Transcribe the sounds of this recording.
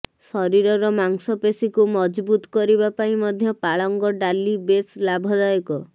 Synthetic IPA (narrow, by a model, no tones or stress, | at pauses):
sɔɾiɾɔɾɔmaŋsɔpesikumɔd͡ʒbut̪ɔ̥kɔɾibapaĩmɔd̪ʱjɔpaɭɔŋɡɔɖalibeslabʱɔd̪ajɔkɔ